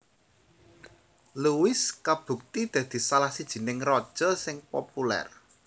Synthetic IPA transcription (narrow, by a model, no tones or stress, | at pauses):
luwɪskab̥ṳk̚t̪id̪̥ä̤d̪̥i̤salahsid̥ʒ̥i̤nɪŋrɔd̥ʒ̥ɔ̤sɪŋpopulɛ̰r